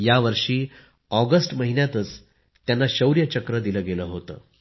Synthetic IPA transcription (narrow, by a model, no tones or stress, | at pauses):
jaʋəɾʂiː | ɔɡəsʈməɦinjat̪ət͡s | t̪janːaɕəwɾjət͡ɕəkɾəd̪iləːɡeləɦot̪ə̰ː